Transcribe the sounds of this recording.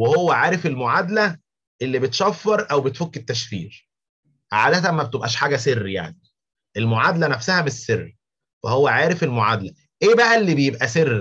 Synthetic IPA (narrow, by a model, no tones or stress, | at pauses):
wehowːæʕaːɾefelmoʕad̪læ | ʔelːibet̪ʃæfːɑɾˤʔæwbet̪fokːet̪ːæʃfiːɾ | ʕad̪æt̪æmːæbet̪ebʔæʃħaːɡæserːja̰ʕni | ʔelmoʕad̪lænæfsæhæmesːerː | wḛhowːæʕaːɾefelmoʕad̪læ | ʔeːbæʔælːiːbejebʔæserː